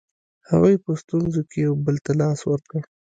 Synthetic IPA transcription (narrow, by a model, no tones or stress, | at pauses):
hawɑjpəst̪unzokejawbəlt̪alɑswəɾkə